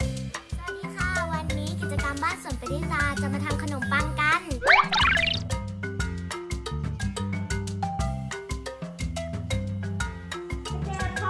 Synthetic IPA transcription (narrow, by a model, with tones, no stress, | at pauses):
ɾaː˧˩niː˧˩kʰaː˥˩wa˧nːiː˦˥kʰi˧˩t̪̚t͡ɕa˧ka˧mbaː˥˩so˨˩˦npa˨˦jt̪ʰiː˥˩laː˧t͡ɕa˧˩maː˧t̪ʰa˧ŋkʰa˧no˨˩˦mpa˧˩ŋka˧˨n